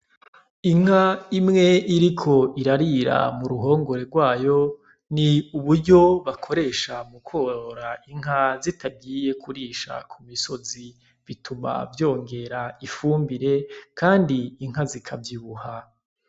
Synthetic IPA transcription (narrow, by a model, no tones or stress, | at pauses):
iŋ̥haimŋe̞ʔiɾikʰo̞iɾaɾiɾa̰muɾuɦo̞ːŋɡo̞ɾe̞ɾɡwaːjo̞ | niuβuɾɟo̞βakʰo̞ɾe̞ʃamukʰo̞ːɾaiŋ̥ɦazitʰab̚ɡiːje̞kʰuɾiːʃa̰kʰumiso̞zi | βitʰuma̰vjo̞ːŋɡe̞ɾaifuːmbiɾe̞kʰaːndiːŋɦazikʰavjiβuha